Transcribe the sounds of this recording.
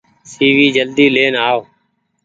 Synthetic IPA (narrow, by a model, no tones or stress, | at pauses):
siːʋiːd͡ʒəld̪iːleːnaːo